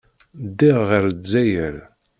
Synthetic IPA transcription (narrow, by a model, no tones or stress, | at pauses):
d̪ːiʁːəɾd͡zːæjəɾ